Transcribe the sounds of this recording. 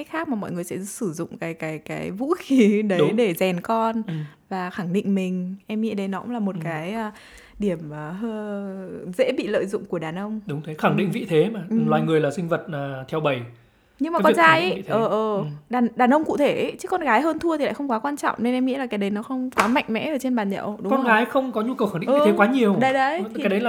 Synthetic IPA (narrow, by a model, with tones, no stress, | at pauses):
a˨˦jxaː˦˥k̚maː˨˩mɔ̰˧˨jŋɨ˨˩əjsɛ̰˧˥sɨ˧˩zʊ̰˧˨ŋ͡mkaː˨˦jkaː˨˦jkaː˨˦jvṵ˧˥xi˨˦ɗə˨˦˨jɗe˧˩zɛ˨˩nkɔ˧nvaː˨˩xa˧˩ŋɗḭ̈˧˨ŋ̟mï˨˩ŋ̟ʔɛ˧mŋḭ˧˥ɗə˧jnɔ˨˦kʊ̰˧˥ŋ͡mlaː˨˩mo˨˩t̚kaː˨˦jʔəː˧ | ɗi˧˩əmʔəː˨˩ɦəː˧ | zḛ˧˥ɓḭ˧˨lə̰ː˧˨jzʊ̰˧˨ŋ͡mku˧˩əɗaː˨˩nʔə˧wŋ͡mɗʊ˨˦ŋ͡mt̪ʰe˨˦xa˧˩ŋɗḭ˧˨ŋvḭ˧˨t̪ʰe˨˦maː˨˩˨lwaː˨˩jŋɨ˨˩əjlaː˨˩sï˧ŋ̟və˨˩t̚aː˨˩t̪ʰɛ˧wɓə˨˩j | ɲɨ˧ŋmaː˨˦kɔ˨˩˦t͡ɕaː˧˨˧jʔə˨˦ḭ˧˨ʔəː˦˨˩ʔəː˨˩ɗaː˨˩nɗaː˨˩nʔə˧wŋ͡mkṵ˧˨t̪ʰe˧˩˦t͡ɕɨ̥˦˥kɔ˧nɣaː˨˦jɦəː˧nt̪ʰu˧ət̪ʰi˨˩a̰ː˧˨jxə˧wŋ͡mkwaː˨˦kwaː˧nt͡ɕɔ̰˧˨wŋ͡mne˧nʔɛ˧mŋḭ˧˥la˨˩ka˨˦jɗə˨˦jnɔ˨˦xə˧wŋ͡mkwaː˨˦ma̰˧˨jŋ̟mɛ̰˧˥ʔəː˧˩t͡ɕe˧nɓaː˨˩nɲə̰˧˨wɗʊ˨˦kɔ˧nɣaː˨˦jxə˧wŋ͡mkɔ˨˦ɲu˧kə˨˩wxaː˧˩ŋ˨ḭ˧˨˧e˨˦kwaː˨˦ɲi˨˩əwɗə˨˦jɗə˨˧˦j̪ʰi˨˦jɗə˨˦lː